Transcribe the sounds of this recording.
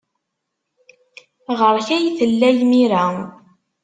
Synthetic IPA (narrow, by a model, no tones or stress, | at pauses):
ʁəɾˤçæjθəlːæjmiɾæ